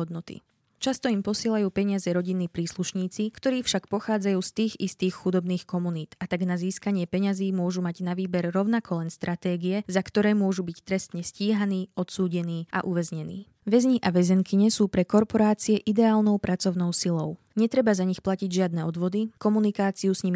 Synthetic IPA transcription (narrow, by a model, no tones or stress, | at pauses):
ɔd̪nɔt̪ḭ | t͡ʃast̪ɔimpɔsɪɛlajuːpɛɲɪazɛɾɔɟinːiːpɾiːsluʃɲiːt͡sikt̪ɔɾiːfʃakpɔxaːd͡zajuːst̪iːɣist̪iːxxud̪ɔbniːxkɔmuniːt̪at̪aɡnaziːskaɲɪɛpɛɲaziːmʊɔʒumaɟnaʋiːbɛɾːɔʊnakʰɔlɛnst̪ɾʔat̪ɛːɡiɛzakt̪ɔɾɛːmʊɔʒubict̪ɾɛst̪ɲɛsciːɦaniːɔt̪suːɟɛniːʔa̰ʔuʋɛzɲɛnḭː | ʋɛzɲiʔaʋɛzɛŋkiɲɛsuːpɾɛkɔɾpɔɾaːt͡siɛʔid̪ɛaːlnɔʊpɾʔat͡sɔʊnɔʊsilɔʊ | ɲɛt̪ɾɛbazaɲixplaciɟʒɪad̪nɛɔd̪ʋɔd̪ikɔmunikaːt͡siusɲim